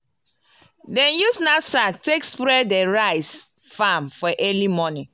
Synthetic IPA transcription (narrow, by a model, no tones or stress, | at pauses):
dɛ̃njusnasaktekspɾɛdɛɹaɪs | famfɔʔɛlimɔnĩ